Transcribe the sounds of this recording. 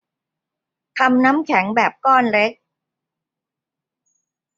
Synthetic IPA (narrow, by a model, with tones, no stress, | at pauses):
t̪ʰa˧mna˦˥mkʰɛ˩˦ŋbɛː˨˩p̚kɔː˥˩nɾe˦˥k̚